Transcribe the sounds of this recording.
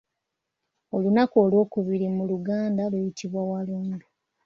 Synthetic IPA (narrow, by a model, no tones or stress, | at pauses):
o̞lunakolwo̞ːkuβiɾimuluɡaːndalujitʰiβwawaluːndu